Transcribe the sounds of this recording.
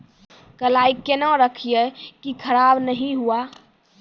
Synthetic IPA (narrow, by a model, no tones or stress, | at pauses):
kəlaːikenãɾəkʰijekikʰəɾaːbnəɦĩɦua